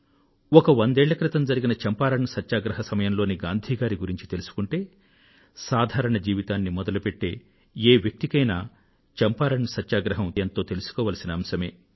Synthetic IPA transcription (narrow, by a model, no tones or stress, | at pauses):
ɔkɐʋond̪eːɭːɐkɾit̪ɐmd͡ʒɐɾiɡinɐt͡ʃɐmpaːɾɐɳɐsɐt̪ːʃaːɡɾɐɦɐsɐmɐjɐmlo̞ːniɡaːnd̪ʱiːɡaːɾiɡuɾiɲt͡ʃi̥t̪elusu̥kuɳʈe̞ː | saːd̪ʱaːɾɐɳɐd͡ʒiːʋit̪aːnːimɔd̪ɐlupe̞ʈːe̞ː | eːʋjɐk̚t̪ikɐjnaː | t͡ʃɛmpaːɾɐɳɐsɐt̪ːʃaːɡɾɐɦɐmjɐnt̪o̞ːt̪e̞lusu̥kɔːʋaːlɐsinɐːmsɐme̞ː